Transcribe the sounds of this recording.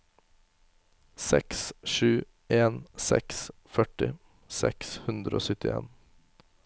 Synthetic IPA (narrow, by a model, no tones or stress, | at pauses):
sɛksʃʉː | ʔeːnsɛksfœʈɪ | sɛ̰kshʉnd̪ɾəʔo̰ːsʏt̪ɪḛːn